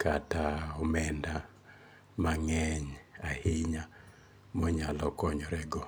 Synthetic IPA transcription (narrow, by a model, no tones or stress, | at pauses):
kataɔmɛnda | maŋɛɲahɪɲa | mɔɲalɔkɔɲɔɾɛɡɔ